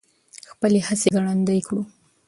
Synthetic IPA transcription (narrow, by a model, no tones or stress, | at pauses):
xpəlehaseɡaɽand̪ajkɽu